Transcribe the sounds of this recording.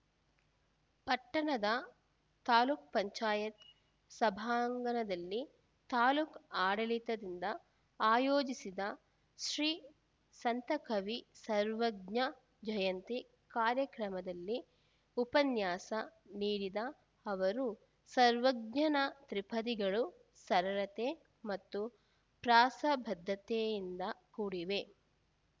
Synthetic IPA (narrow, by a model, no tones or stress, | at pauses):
pɐʈːɐɳɐd̪ɐ | t̪aːluːk̚pɐɲt͡ʃaːjɐt̪ | sɐbʱaːŋɡɐnɐd̪ɐlːi | t̪aːluːkaːɽɐlit̪ɐd̪ind̪ɐ | aːjoːd͡ʒisid̪ɐ | ʃɾiː | sɐnt̪ɐkʰɐʋisɐɾʋɐɡɲɐ | d͡ʒɐjɐnt̪i | kaːɾjɐkɾɐmɐd̪ɐlːi | upɐnjaːsɐniːɾid̪ɐː | ʋɐɾu | sɐɾʋɐɡɲɐnɐt̪ɾipʰɐd̪iɡɐɭu | sɐɾɐlɐt̪e | mɐt̪ːu | pɾaːsɐbʱɐd̪ʱːɐt̪ejind̪ɐkuːɽiʋe̞